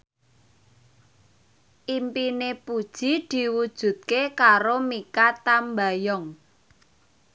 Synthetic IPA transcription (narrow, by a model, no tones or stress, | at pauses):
ʔimpinepud̥ʒ̥i̤d̪̥i̤wud̥ʒ̥ṳt̪̚kekaɾomikat̪ambajɔŋ